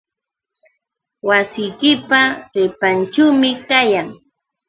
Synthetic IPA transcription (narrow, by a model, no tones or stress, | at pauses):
wasɪjkɪpaɾɪpant͡ʃuwmɪkajaŋ